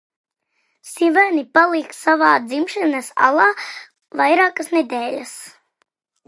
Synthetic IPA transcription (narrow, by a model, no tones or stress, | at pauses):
sivanipalˠiːk̪savaːd̪zimʃɛnasa̰lˠaː | vajɾaːkəsnɛd̪ɛːlʲas